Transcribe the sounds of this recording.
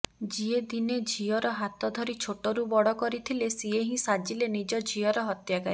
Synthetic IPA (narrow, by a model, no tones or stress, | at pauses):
d͡ʒied̪ined͡ʒʱiɔɾɔɦat̪ɔd̪ʱɔɾit͡ʃʰoʈɔɾubɔɽɔkɔɾit̪ʰilesieɦĩsad͡ʒilenid͡ʒɔd͡ʒʱiɔɾɔɦɔt̪jakaɾi